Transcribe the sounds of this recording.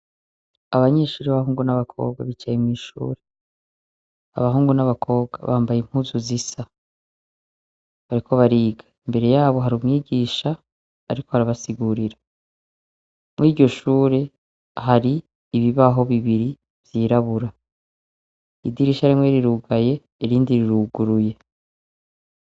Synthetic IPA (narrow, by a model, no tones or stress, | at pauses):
aβaɲe̞ːʃuːɾiβaβaɦuːŋɡunaβakʰo̞̰ːbɡa̰βit͡ʃajimwiːʃṵːɾe | a̰βaɦuːŋɡunaβakʰo̞ːbɡa̰βaːmbajim̥huzuzisa | βaɾikʰo̞βaɾiːɡaimbe̞ɾe̞jaːβo̞ɦaɾumŋiːɡiːʃaː | ɾikohaɾaβasiɡuːɾiɾa | mwiːɾɟo̞ʃuːɾe̞ | haɾiː | βiβaɦo̞βiβiɾi | vjiːɾaβuɾa | idiɾiʃaɾimwe̞ɾiɾuɡaje̞ | iɾiːndiɾiɾuɡuɾuje̞